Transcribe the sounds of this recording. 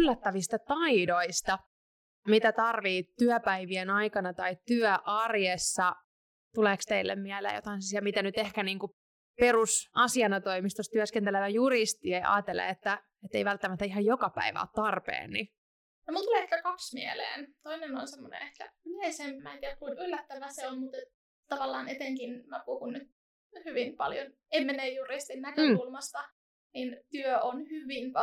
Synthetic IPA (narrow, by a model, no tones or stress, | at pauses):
lːæt̪ːæʋist̪ɑt̪ɑidoist̪ɑ | mit̪æt̪ɑrʋiːt̪yœpæiʋienɑikɑnɑt̪ɑit̪yœʔɑrjesːɑ | t̪uleːkst̪eilːḛmmiælḛːjot̪ɑinsisjæmit̪ænyt̪ehkæniːŋku | perusɑsiɑnɑt̪oimist̪ost̪yæskent̪eleʋæjurist̪iejʔɑ̰ːt̪ːelːḛet̪ːæ | et̪ːeijʋælt̪ːæmæt̪ːæiɦɑjokɑpæ̰iʋæ̰ot̪t̪ɑrpḛːnːi | nomult̪uleehkækɑksmiḛlḛːnt̪oineno̰nsemːonḛ̃ehkæ̰yleisemmæːnt̪iːækuinylːæt̪ːæʋæseolmut̪et̪ | t̪ɑʋɑlːɑːnet̪eŋkinmæpuhunnyt̪̚ | hyʋinpɑ̰ljon | emːenejjurist̪innækøulmɑst̪ɑ | nint̪yøonhyʋin